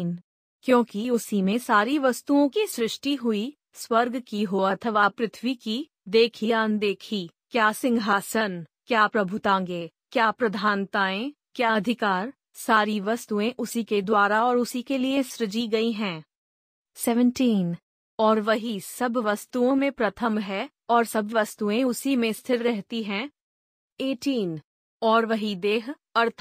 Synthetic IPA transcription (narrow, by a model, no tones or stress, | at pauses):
n | kjõːkiʊsimẽsaːɾiʋɐst̪uõkisɾɪʃʈiɦʊi | swɐɾɡkiɦoɐt̪ʰəʋapɾɪt̪ʰʋiki | d̪eːkʰiaːnd̪eːkʰi | kjaːsɪ̃ŋɡʱɦaːsənkjaːpɾɐbʱʊt̪ãːŋɡeː | kjaːpɾɐd̪ʱaːnt̪aːẽ | kjaːɐd̪ʱɪkaːɾ | saːɾiʋɐst̪uẽʔʊsiked̪waːɾaɔːɾʊsikelieʃɾɪd͡ʒiɡɐiɦɛ̃ː | sɛːʋə̃ɳʈiːn | ɔːɾʋɐɦisɐbʋɐst̪uõmẽpɾɐt̪ʰəmɦɛː | ɔːɾsɐbʋɐst̪uẽʊsimẽst̪ʰɪɾɾɛɦt̪iɦɛ̃ː | eːʈiːn | ɔːɾʋɐɦid̪eːɦ | ɐɾt̪ʰ